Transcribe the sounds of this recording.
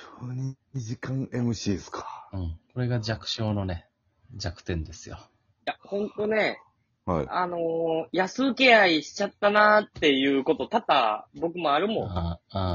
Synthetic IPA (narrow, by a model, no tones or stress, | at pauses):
oːɲ̟imʲiʑikãŋe̞mɯ̟ɕiːskʰḁɯ̟̃ɴko̞ɾe̞ɡad͡ʑakɯ̟̥ɕo̞ːno̞ne̞ | d͡ʑakɯ̟̥t̪ẽ̞nd̪e̞sɨjo̰ | jahõ̞nt̪o̞ne̞ | ha̰iano̞jasɨːkʲe̞aiɕi̥t͡ɕat̪ːanat̪ːe̞jɯ̟ːko̞t̪ot̪at̪abo̞kɯ̟mo̞aɾɯ̟mõ